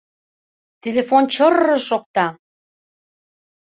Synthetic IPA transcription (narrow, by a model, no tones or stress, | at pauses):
t̪ʲelefont͡ɕərəʃok̚t̪ɑ